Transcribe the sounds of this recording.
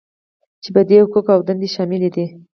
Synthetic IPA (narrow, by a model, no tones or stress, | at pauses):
t͡ʃebad̪ekokawd̪and̪eʃɑmɪled̪i